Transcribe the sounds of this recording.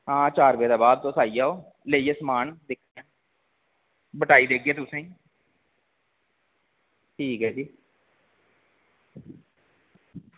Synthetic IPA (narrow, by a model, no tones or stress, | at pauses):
ɦãːt͡ʃaːɾʋeːd̪aːbaːd̪̚t̪oːsaːijaːoː | leːieːsəmaːnd̪ɪkʰːnãː | bəʈaːiːd̪eːɡ̚ɡeːt̪ʊsẽː | ʈʰiːkɦɛːd͡ʒiː